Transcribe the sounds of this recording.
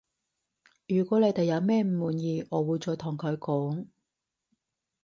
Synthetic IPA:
jyː˨˩kʷɔː˨˥le˨˧jt̪e˨jɐ˨˧wmɛː˥˩m̩˨muː˨njiː˧ɔː˨˧wuː˨˧jt͡ʃɔː˨˧jt̪ʰʊ˨˩ŋkʰɵ˨˧ɥkɔː˨˥ŋ

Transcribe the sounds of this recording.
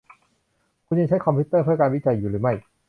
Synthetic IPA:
kʰu˧nja˧ŋt͡ɕʰa˦˥jkʰɔ˧mpʰiː˦˥t̪ːɤː˥˩pʰɯ˥˩ɐkaː˧nwi˦˥˩t͡ɕa˧jːuː˨˩ɾɯː˩˦ma˥˩j

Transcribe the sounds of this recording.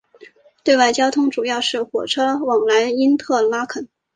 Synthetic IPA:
t̪we˥˧ɪwa˥˩ɪt͡ɕjɑ˥ʊt̪ʰʊ˥ŋʈ͡ʂu˨˩jɑ˥˧ʊʂɻ̩˥˩xwɔ˨˩ʈ͡ʂʰɤ˥wɑ˨˩ŋla˧˥ni˥nt̪ʰɤ˥˩la˥kʰə˨˩n

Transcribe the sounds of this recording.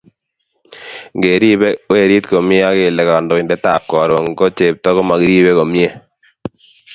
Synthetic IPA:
ŋɡe˨ɾi˦bɛ˦we˦˨ɾi˦t̪ko˨mje˦a˦ke˨lɛ˨ka˨ndɔ˨ɪ˨ndɛ˦ta˨p̚kɔ˨ɾo˨ŋɡɔ˦t͡ʃe˨p̚tɔ˦kɔ˦ma˨ki˦ɾi˦bɛ˦ko˨mje˦

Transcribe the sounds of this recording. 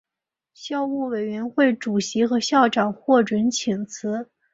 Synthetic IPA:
ɕjɑ˥˧ʊu˥˩we˨˩ɪɥɛ˧˥nxwe˥˩ɪʈ͡ʂu˨˩ɕi˧˥xɤ˧˥ɕjɑ˥˩ʊʈ͡ʂɑ˨˩ŋxwɔ˥˩ʈ͡ʂwə˧˥nt͡ɕʰi˨˩ŋt͡sʰɹ̩˧˥

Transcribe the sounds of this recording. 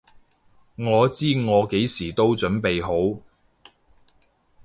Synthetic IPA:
ŋɔː˨˧t͡siː˥ŋɔː˨˧ke˨˥jsiː˨˩t̪o˥wt͡ʃɵ˨˥npe˨jɦo˨˥w

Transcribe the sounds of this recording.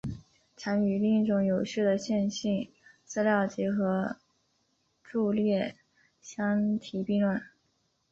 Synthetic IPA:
ʈ͡ʂʰa˧˥ŋy˨˩li˥˩ŋ˥ʈ͡ʂʊ˧˥ŋjo˨˩ʊɕy˥˩d̪ə˩ɕjɛ˥˧nɕi˥˩n | t͡sɹ̩˥ljɑ˥˩ʊt͡ɕi˧˥xɤ˧˥ | ʈ͡ʂu˥˧ljɛ˥˩ | ɕjɑ˥ŋt̪ʰi˨˧˩pi˥˧ŋlwə˥˩n

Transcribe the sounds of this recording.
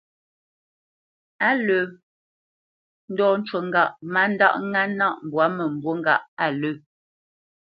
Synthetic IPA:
a˦lə˨ | n̩˦dɔː˦n̩˦t͡ʃwə˨ŋ̩˦ɡa˨ʔma˦n̩˦da̰˦ʔŋa˦na˦ʔm˨bwa˨˦mə˨m̩˨bwo˦ŋ˦ɡa˦˨ʔa˨lə˦˨

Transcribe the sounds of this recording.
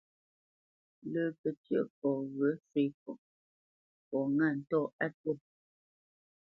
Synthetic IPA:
lə˨pə˨tjə˦˨pɔ˨ɣə˨˦se˦˨kɔ˨ | pɔ˨ŋa˦˨n̩˨tɔ˦˨a˦tə˦˨

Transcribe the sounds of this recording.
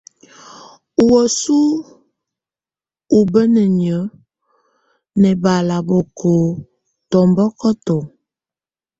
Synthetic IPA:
u˨wə˨su˦ | u˨bə˦nə˨ɲə˨˦ | nɛ˨ba˨la˨bo˨kʰo˨ | tɔ˨mbɔ˦kɔ˦tɔ˨

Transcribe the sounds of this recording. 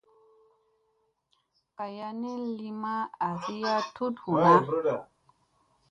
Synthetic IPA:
ka˨ja˧ne˦li˦ma˦a˨si˦ja˦tu˦thu˨a˦˨

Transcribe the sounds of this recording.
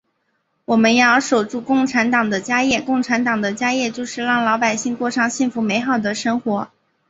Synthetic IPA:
wɔ˨˩mə˦njɑ˥˩ʊʂo˨˩ʊʈ͡ʂu˥˧kʊ˥˩ŋʈ͡ʂʰa˧˥nt̪ɑ˨˩ŋd̪ə˦t͡ɕja˥jɛ˥˩kʊ˥˩ŋʈ͡ʂʰa˧˥nt̪ɑ˨˩ŋd̪ə˦t͡ɕja˥jɛ˥˧t͡ɕjo˥˧ʊʂɻ̩˥˧lɑ˥˩ŋlɑ˧˥ʊpa˨˩ɪɕi˥˧ŋkwɔ˥˧ʂɑ˥ŋɕi˥˩ŋfu˧˥me˧˥ɪxɑ˨˩ʊd̪ə˩ʂɤ˥ŋxwɔ˧˥

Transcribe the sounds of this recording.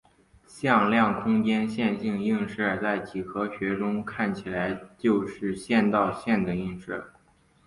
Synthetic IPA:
ɕjɑ˥˧ŋljɑ˥˩ŋkʰʊ˥ŋt͡ɕjɛ˥nɕjɛ˥˧nt͡ɕi˥˧ŋi˥˧ŋʂə˥˩t͡sa˥˩ɪt͡ɕi˨˩xɤ˧˥ɕɥɛ˧˥ʈ͡ʂʊ˥ŋkʰa˥˩nt͡ɕʰi˨˩la˧˥ɪt͡ɕjo˥˧ʊʂɻ̩˥˧ɕjɛ˥˧nt̪ɑ˥˧ʊɕjɛ˥˩nd̪ə˩i˥˧ŋʂə˥˩

